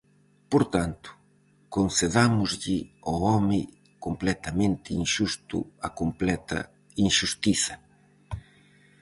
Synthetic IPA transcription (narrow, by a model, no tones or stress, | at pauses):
poɾt̪ant̪ʊ̥ | konseðamʊzʎɪɔɔmɪ | komplɛt̪ɐmẽnt̪ɪinʃust̪ṵakomplɛt̪ɐ̰ | inʃust̪iθɐ